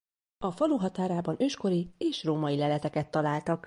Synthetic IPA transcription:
ɒfɒluɦɒt̪aːɾaːbɒnʔøːʃko̞ɾieːʃroːmɒjilɛlɛt̪ɛkɛt̪ːɒlaːlt̪ɒk

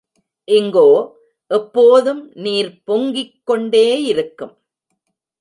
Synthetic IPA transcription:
ʔɪŋɡoː | ʔɛpːoːðɯmniːɾpɔŋɡɪkːɔɳɖeːɪɾɯkːɯm

